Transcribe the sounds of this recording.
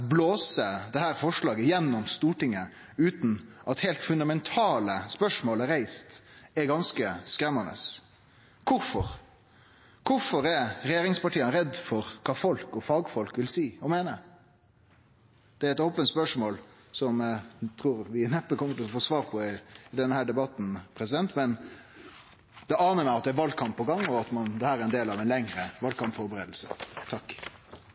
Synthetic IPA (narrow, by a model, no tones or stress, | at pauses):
bloːsəd̪ɛhæːɾfɔʂɭɑːɡəjɛnːɔmst̪uːʈɪŋːə | ʉːt̪n̩ʔɑt̪hæɪlt̪fʉnd̪ɑmɛnt̪ʰɑːləspœʂmoːləɾæɪst̪ɛɡɑnskəskɾɛmːɑnə̰s | kʰʊɾfɔɾ | kʰʊɾfɔɾɛɾɛjeːɾɪŋspɑʈʰiːənɾɛd̪fɔɾkʰɑːfɔlkɔfɑːɡfɔlkʋɪlsiːɔmeːnə | d̪̥ɛæɾɛt̪oːpənt̪spœʂmoːl | sɔmt̪ʰɾuːɾʋɪnɛpːəkɔmːət̪ɪlɔfɔʂʋɑːɾpʰɔɪːd̪ɛnəhæːɖɛbɑt̪n̩pʰɾɛsɪd̪ɛnt̪mɛn | d̪̥ɛɑːnəɾmæɪɑt̪̚d̪ɛæʋɑlkʰɑmpʰːɔɡɑŋːɔɑt̪mɑnd̪ɛhæːɾæɾɛnd̪eːlɑʋɛnlɛŋɾəʋɑlkʰɑmpfɔɾbəɾeːd̪l̩sət̪ʰɑkː